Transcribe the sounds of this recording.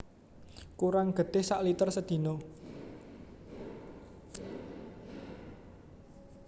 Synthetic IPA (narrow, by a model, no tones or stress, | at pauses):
kuɾaŋɡ̥ə̤d̪̥ɪhsaʔlit̪ərsəd̪̥i̤nɔ